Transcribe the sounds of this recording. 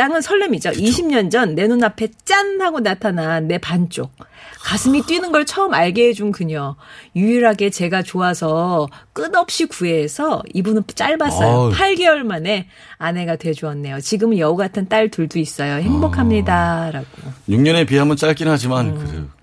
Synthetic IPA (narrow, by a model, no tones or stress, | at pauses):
t͈aŋɯnsʰʌɭːʌmid͡ʑoʔiɕʰimɲʌnd͡ʑʌnːe̞nunapʰe̞t͡ɕ͈anhaɡonatʰanaːe̞pant͡ɕ͈ok̚kasʰɯmit͈winɯnɡʌɭt͡ɕʰʌɯmaɭɡeɦed͡ʑunkuɲojuiɾɦaɡe̞t͡ɕe̞ɡat͡ɕoasʰʌk͈ɯnʌp̚ɕ͈ikue̞ːsʰʌibunɯnt͡ɕ͈aɭbas͈ʌjopʰaɭɡe̞ʌɭmane̞ | ane̞ɡatwe̞d͡ʑuʌnːe̞jot͡ɕiɡɯmɯnjʌuɡatʰɯnt͈aɭtɯɭduis͈ʌjohe̞ŋbʌkʰamɲidaɾaɡ̥oɲuŋɲʌne̞piɦamɯnt͡ɕ͈aɭk͈inɦad͡ʑimankɯɾḛjo